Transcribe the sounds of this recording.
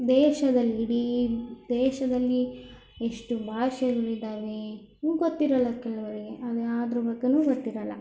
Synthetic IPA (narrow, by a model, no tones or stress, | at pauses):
d̪ɛːʃɐd̪ɐlːiiɽid̪ɛːʃɐd̪ɐlːi | eʂʈubʱaːʃɐluɾid̪aːʋe | uɡot̪ːiɾɐlːɐkɛlɐʋɐɾeɡeʔɐd̪eaːd̪ɐɾubɐɡːenuːɡot̪ːiɾɐlːɐ̰